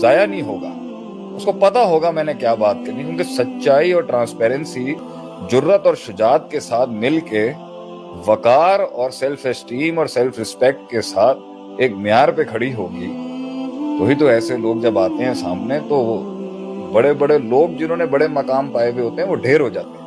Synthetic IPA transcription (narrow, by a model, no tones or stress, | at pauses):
zaːjanɦĩɦoːɡa̰ː | ʊskopɐt̪aɦoːɡamɛ̃ːnekjaːbaːt̪̚kɐɾnikjũːkesɐtːʃaːiɔːɾʈɾãːnspɛːɾɛ̃nsi | d͡ʒʊɾːət̪ɔːɾʃʊd͡ʒaːt̪̚kesaːt̪ʰmɪlke | ʋɐkaːɾɔːɾsɛlfɛsʈiːmɔːɾsɛlfɾɪspɛk̚ʈ̚kesaːt̪̚ʰ | eːkmɪjaːɾpekʰɐɽiɦoːɡḭː | t̪oːɦit̪̬oɛːseloːɡ̚d͡ʒɐbaːt̪eɦɛ̃saːmnet̪o | bɐɽebɐɽeloːɡ̚d͡ʒɪnɦõːnebɐɽemɐkaːmpaːeweɦoːt̪eɦɛ̃ʋoɖʱeːɾɦod͡ʒaːt̪eɦɛ̃